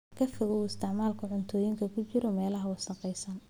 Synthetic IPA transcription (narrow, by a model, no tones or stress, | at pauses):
kʰɐfɪɣʊɪst̪ɪʕmaːlkʰʊʕʊnt̪ʰɔːjɪŋkʰɐkʰʊt͡ʃɪɾɔmɛːlɐɦɐwʊsɐqɛjsɐn